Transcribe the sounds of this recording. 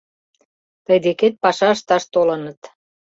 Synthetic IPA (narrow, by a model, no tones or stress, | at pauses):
t̪əjd̪eket̪̚pɑʃɑəʃt̪ɑʃt̪olənət̪